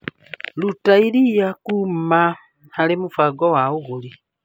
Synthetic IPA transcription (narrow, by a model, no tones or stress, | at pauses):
lutailijakuma | halemufaɡowauɣuli